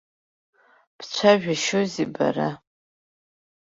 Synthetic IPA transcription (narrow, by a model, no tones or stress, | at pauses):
pʰt͡ɕʷʰaʒᶣaʃoziba̰ɾa